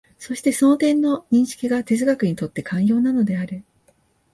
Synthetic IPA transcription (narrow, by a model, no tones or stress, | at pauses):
so̞ɕi̥t̪e̞soːt̪ẽ̞nːo̞ɲ̟ĩɰ̃ɕi̥kʲiɡat̪e̞zɨɡakɯ̟ɲ̟it̪o̞t̪ːe̞kʰãɰ̃jo̞ːnano̞d̪e̞aɾɯ̟